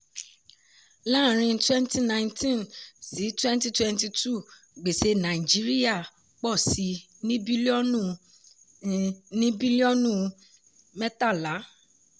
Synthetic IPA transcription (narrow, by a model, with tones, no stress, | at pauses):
lã˦˨ɾ̃ĩ˧˦twɛ̃˦nti˦nã˧j̃ntĩ˦˨nsi˨˦twɛ̃˦n˦ti˦twɛ̃˦nti˧tu˦˨ | ɡ͡be˨se˧nã˨i˨d͡ʒi˨˦ɾi˦ja˦˨ | k͡pɔ˦˨si˧ | nĩ˦bi˦lɔ˦ũ˦˨ | nĩ˦bi˦li˦ɔ˦nũ˦ | mɛ˦ta˦˨la˨˦